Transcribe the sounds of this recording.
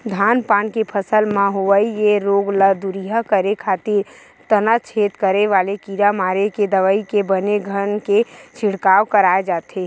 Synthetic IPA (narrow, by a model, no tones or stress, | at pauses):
d̪ʱaːnpaːnkepʰəsəlmãɦoʋəijeɾoːɡləd̪uɾiɦəkəɾekʰaːt̪iɾ | t̪ənat͡ʃʰeːt̪kəɾeʋaːlekiːɾamaːɾeked̪əʋəikebəneɡʱənket͡ʃʰɪɽkaːʋkəɾaːed͡ʒaːt̪e